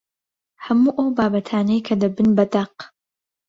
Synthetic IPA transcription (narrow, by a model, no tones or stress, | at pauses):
hɐmuːʔɐwbaːbɐt̪ʰaːnejkʰɐd̪ɐbɨnbɐd̪ɐq